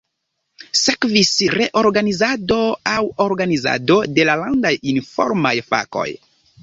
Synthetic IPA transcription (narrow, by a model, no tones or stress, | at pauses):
sekvisɾe̞ʔo̞ɾɡanizado̞awoɾɡaniza̰do̞de̞lalandajinfo̰ɾmajfa̰ko̞̰j